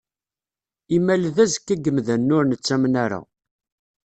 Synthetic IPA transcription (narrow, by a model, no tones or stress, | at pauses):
imælðæzəkːæɡəmðænːʊɾnət͡sːæmnaɾa̰